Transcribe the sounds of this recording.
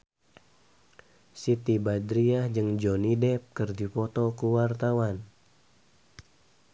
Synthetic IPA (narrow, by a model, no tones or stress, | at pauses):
sit̪ibad̪ɾiad͡ʒɨŋd͡ʒɔnidɛp̚kɨrdipɔt̪ɔkuwart̪awan